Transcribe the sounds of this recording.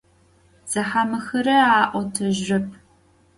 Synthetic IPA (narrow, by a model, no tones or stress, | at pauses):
z̥ɐħamɨxɐɾɐaːʔʷɔtʰɐʒːɐp̚ʰ